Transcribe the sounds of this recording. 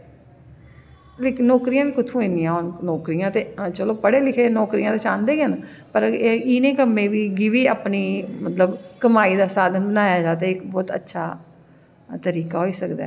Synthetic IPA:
leknːɔːkɾijãːʋiːkʊt̪ʰũːĩːniːãːonnɔːkɾijãːt̪eːt͡ʃəloːpəɽeːlɪkʰeːnɔːkɾijãːt̪eːt͡ʃãːnd̪eːɡɦənpəɾeiːnẽːkəmːẽːʋiːɡiʋiːaːpniːmət̪ləbkəmaːiːd̪aːsaːd̪ʱənbənaːjaːd͡ʒaːt̪eːɪkbɔːt̪ə̰tːʃʰaː | t̪əɾiːkaːɦoːiːsəkd̪a̰ː

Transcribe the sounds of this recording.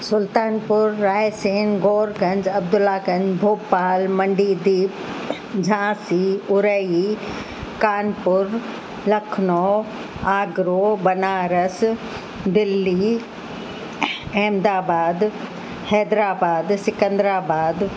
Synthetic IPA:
sʊlt̪aːnpʊɾːaːjseːnɡoːɾɡɐ̃ɲd͡ʑɐbd̪ʊlːaːkɐ̃nd͡ʑbʱoːpaːlmɐ̃ɳɖiːd̪iːp | d͡ʑʱãːsiʊɾəi | kaːnpʊɾ | lɐkʰnoː | aːɡɾoːbɐnaːɾəs | d̪ɪlːi | ɛːmd̪aːbaːd̪ | hɛːd̪ɾaːbaːd̪sɪkə̃nd̪ɾaːbaːd̪

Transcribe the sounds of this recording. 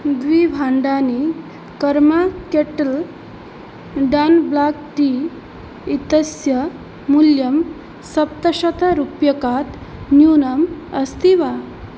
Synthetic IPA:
d̪ʋibʱaɳɖani | kəɾmakeʈəl | ɖanblak̚ʈi | it̪əsjə | muljəm | sɐp̚t̪əɕət̪aɾupjəkat̪njunəməst̪iʋa

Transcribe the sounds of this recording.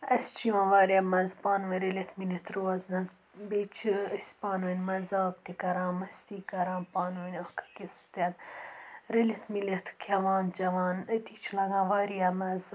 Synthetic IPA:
ɐst͡ʃʰiʋãnʋaːɾiɐmɐzpɑːnʋɐɾelʲet̪ʰmilʲet̪ʰɾoɐznɐz | bet͡ʃʰisʲpɑːnuinʲmɐzaːkt̪ikɐɾãːnmɐst̪ikɐɾaːnpaːnuinʲokʰɐ̥kʲist̪en | ɾelʲet̪ʰmilet̪ʰkʲʰɐʋɑːnt͡ʃɐʋɑːnt̪it͡ʃʰilɐɡãːʋaːɾiɐmɐz

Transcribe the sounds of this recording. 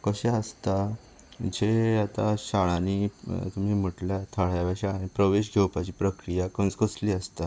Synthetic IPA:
kəɕeəst̪a | d͡ʑeat̪aɕaɭãnit̪um̤iːm̤əʈljat̪ʰaɭ̤jaʋjaɕaɭaniːpɾəʋeɕɡʱewpat͡ɕiːpɾəkɾijakə̃nskəsliːəst̪a

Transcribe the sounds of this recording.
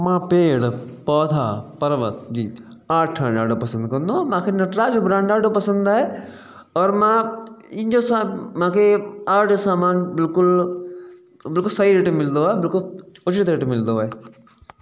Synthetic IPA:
mãːpeːɽpɔːt̪ʰaːpɐɾʋə̰t̪d͡ʒiː | aːʈʰːaːɳɖaːɖopɐsə̃nd̪kɐ̃nd̪omãːkʰenɐʈɾaːd͡ʒobɾãːɳɖaːɖopɐsə̃nd̪aːɦe | ɔːɾmãːɪ̃nd͡ʒosamãːkʰeaːʈsaːmaːnbɪlkʊl | bɪlkʊlsɐiɾeʈemɪld̪oaːebɪlkʊlʊt͡ʃɾit̪ɾeːʈemɪld̪oaːe

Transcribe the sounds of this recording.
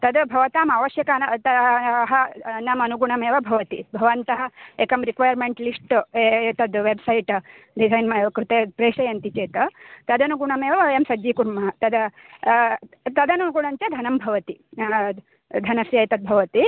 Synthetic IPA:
t̪ɐd̪ɐbʱɐʋɐt̪aːmɐʋɐʃjɐkaːnɐt̪ɐɦɐnaːmɐnuɡuɳɐmeːʋɐbʱɐʋɐt̪ḭbʱɐʋɐnt̪ɐɦɐ̆ekɐmɾikʋɐjɐɾmeɳʈlisʈet̪ɐd̪ʋebsɐjʈ | ɖisɐjnmɐkɾut̪eːpɾeːʂɐjɐnt̪it͡ʃeːt̪ɐt̪ɐd̪ɐnuɡuɳɐmeːʋɐɐjɐmsɐd͡ʒʋiːkuɾmɐɦɐt̪ɐd̪ɐ | t̪ɐd̪ɐnuɡuɳɐɲt͡ʃɐd̪ʱɐnɐmbʱɐʋɐt̪i | d̪ʱɐnɐsjɐjt̪ɐd̪̚bʱɐʋɐt̪i

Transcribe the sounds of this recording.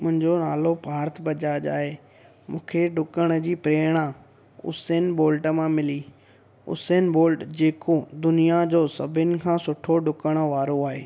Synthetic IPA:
mʊ̃ɦɪ̃ɲd͡ʑonaːlopaːɾt̪ʰbɐd͡ʑaːʄa̰ːɦe | mũːkʰeɖʊkəɽ̃ə̆d͡ʑiːpɾeːɽ̃a | ʊ̰seːnboːlʈəmãmɪli | ʊ̰seːnboːlʈd͡ʑeːkod̪ʊnijad͡ʑoːsɐbʱɪnɪ̆kʰãːsʊʈʰoɖʊkəɽ̃ə̆ʋaːɾoaːɦḛː

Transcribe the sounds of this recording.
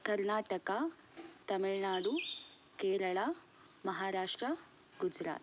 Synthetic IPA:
kɐɾnaːʈɐka | t̪ɐmiɭnaːɽu | keːɾɐɭa | mɐɦaːɾaːʂʈɾɐ | ɡud͡ʒɾa̰ːt̪

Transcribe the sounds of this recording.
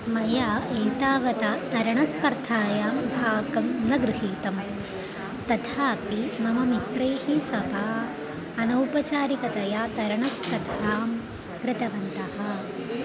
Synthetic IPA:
mɐjaːeːt̪aːʋɐt̪at̪ɐɾɐɳɐspɐɾt̪ʰaːjaːmbʱaːɡɐmnɐɡɾɪɦiːt̪ɐm | t̪ɐt̪ʰaːpimɐmɐmit̪ɾɐjhisɐbʱaː | ɐnɐwpɐt͡ʃaːɾikɐt̪ɐjaːt̪ɐɾɐɳɐspɾɐd̪ʱaːm | kɾɪt̪ɐʋɐnt̪ɐhɐ

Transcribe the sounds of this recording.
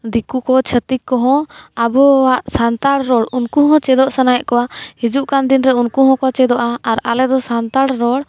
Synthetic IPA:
d̪ikukɔt͡ʃʰət̪ikːɔɦɔ̃abɔwaʔsant̪aɽɾɔɽunkuɦɔ̃t͡ʃɛd̪ɔʔsanajɛʔkɔwahid͡ʒuʔkand̪inɾɛunkuɦɔ̃kɔt͡ʃɛd̪ɔʔaːɾalɛd̪ɔsant̪aɽɾɔɽ

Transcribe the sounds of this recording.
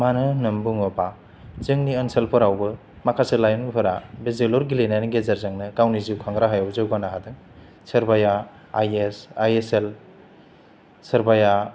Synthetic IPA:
manɯnɯmbuŋɔpa | zɯŋniənselpʰɯɾawbɯ | makʰaselajunpʰɯɾabezelɔɾɡilenajniɡezaɾzaŋnɯkawniziwkʰaŋɡɾaɦajawzɯwɡanaɦadɯŋ | sɯɾbaja | ajesajesel | sɐɾbaja

